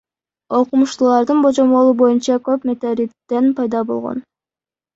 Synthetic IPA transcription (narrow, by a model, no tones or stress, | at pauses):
o̞qumuʃt̪ulˠɑɾd̪ɯnbo̞d͡ʒo̞mo̞lˠubo̞junt͡ʃɑkøpmʲe̞t̪oɾʲikt̪ːenpɑjd̪ɑbo̞lˠʁo̰n